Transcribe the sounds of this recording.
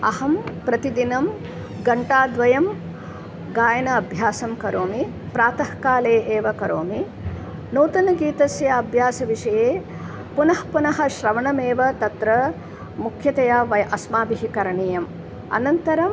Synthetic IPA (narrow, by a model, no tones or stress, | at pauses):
ɐɦɐmpɾɐt̪id̪inɐm | ɡɐɳʈaːd̪ʋɐjɐm | ɡaːjɐnɐɐbʱjaːsɐmkɐɾoːmi | pɾaːt̪ɐhkaːleːʔeːʋɐkɐɾoːmi | noːt̪ɐnɐɡiːt̪ɐsjɐɐbʱjaːsɐʋiʂɐjeː | punɐhpunɐɦɐ̆ʃɾɐʋɐɳɐmeːʋɐt̪ɐt̪ɾɐ | mukʰjɐt̪ɐjaːʋɐjʔɐsmaːbiɦikɐɾɐɳiːjɐm | ɐ̰nɐnt̪ɐɾɐm